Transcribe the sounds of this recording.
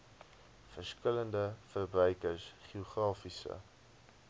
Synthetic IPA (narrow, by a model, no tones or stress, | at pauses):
fərskələndəfərbrœjkərsχiuχrɑːfisə̰